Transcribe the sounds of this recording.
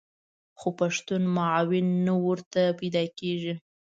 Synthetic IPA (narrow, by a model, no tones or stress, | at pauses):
xopaʂt̪unmʊʕɑwɪnːawəɾt̪apajd̪ɑkeʒi